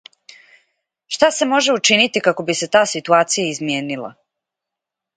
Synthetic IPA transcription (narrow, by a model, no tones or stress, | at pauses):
ʃt̪ase̞mo̞ʒe̞ut͡ʃinit̪ikako̞bise̞t̪aːsit̪uaːt̪sijaizmje̞ːnilˠa̰